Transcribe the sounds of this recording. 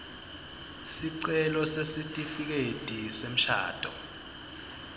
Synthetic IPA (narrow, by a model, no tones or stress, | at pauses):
siǀɛlɔsesitʼifik̬ed̥ʱisem̩ʃa̰ːd̥ʱɔ